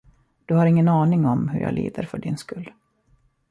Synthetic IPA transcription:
d̪̥ɵhaɾɪŋːənɑːnɪŋɔmɦɵɾja̰ːlḭːd̪əɾfœɖɪnskɵlː

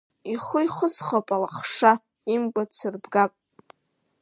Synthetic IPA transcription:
iχʊjχəsχapʼalaχʂa | imkʷʼat͡sʰɨrbɡapʼ

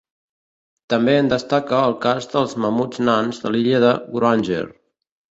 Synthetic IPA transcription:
t̪əmbeənd̪əst̪akəːlˠkazd̪əlˠzməmud͡znanzðəliʎəðəɡɾanʲʒḛɾ

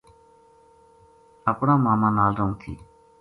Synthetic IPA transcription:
əpɽãːmaːmãːnaːlɾoːŋt̪ʰḭː

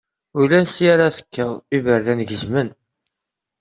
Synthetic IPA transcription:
ʊlænsijaɾaθə̥kːəðˤivəɾðænʝəzmən

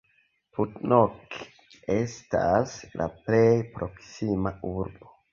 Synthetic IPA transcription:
putnok | estaslʔa̰plejpɾʔoksimauɾbo

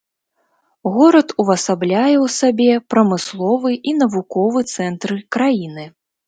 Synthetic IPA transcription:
ɣɔɾɐt̪uvɐsablʲajɛwsabʲɛpɾɐmɨslˠɔvɨʔin̪ɐvukɔvɨt̪sɛnt̪ɾɨkɾajinɨ

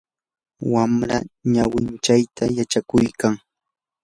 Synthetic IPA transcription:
wamɾaɲawɪnt͡ʃajt̪ʰajat͡ʃakʊjkaŋ

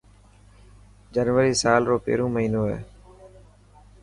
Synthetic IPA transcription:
d͡ʒənʋəɾiːsaːlɾoːpḛːɾõːməɦiːnoːɦḛː

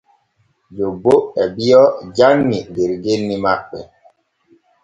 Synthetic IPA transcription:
d͡ʒoboɛbijɔd͡ʒanːideɾɡenːimaɓɛ

